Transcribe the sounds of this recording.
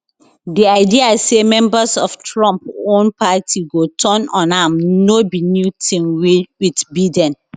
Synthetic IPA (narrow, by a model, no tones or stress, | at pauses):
diaɪdiasemɛ̃mbasɔftɹɔ̃mpõnpʰatʰiɡotʰɔ̃nɔ̃nãmnobinjutʰĩnwiwitbidɛ̃n